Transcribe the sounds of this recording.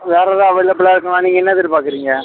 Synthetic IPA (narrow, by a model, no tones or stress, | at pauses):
ʋeːɾɐðãːɐʋɐɪɭːɐpɪɭaːɪɾɯkːɐŋaːniːŋɡɐɛnːɐðɪɾɯpaːɾkɪɾiːŋɡɐ